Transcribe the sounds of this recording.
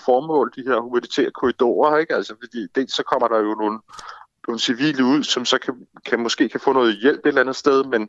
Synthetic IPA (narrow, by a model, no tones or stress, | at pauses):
fɒːmɔ̰ːld̥ihe̝ɐ̰humænit͡sʰɛ̰ːɐkʰo̝id̥o̝̰ːɐe̝ɡ̥æl̰sɒfɒ̽d̥ḭːd̥e̝̰ːlsːɒ̽kʰɒ̽m̰ɐɾ̥ɑ̈jo̝no̝ːl̩no̝ːn̩siʋḭːləuð̞̰ˠsɒ̽msɒ̽kʰækʰæmɒ̽sɡ̥e̝̰ːkʰæfɔ̰̽ːnɔ̽ːð̩ˠjel̰b̥e̝d̥lænð̞̩ˠsd̥eð̞ˠmen